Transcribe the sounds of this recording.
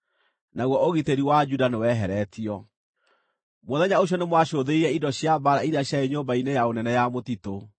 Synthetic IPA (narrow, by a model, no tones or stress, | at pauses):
naɣwɔoɣiteɾiwad͡ʒudanewɛɦɛɾɛtiɔ | mɔðɛɲaoɕ̬jɔnemwaɕoðeiɾɛidɔɕjabaɾaiɾeaɕjaeɲoːmbainejaonɛnɛjamotito